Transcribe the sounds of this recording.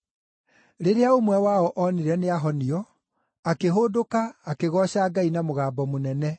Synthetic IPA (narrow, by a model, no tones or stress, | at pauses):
ɾeɾeaomwɛwaɔʔɔneɾɛneaɦɔniɔ | akeɦodokaːkeɣɔɕaːɡainamoɣaːbɔmonɛnɛ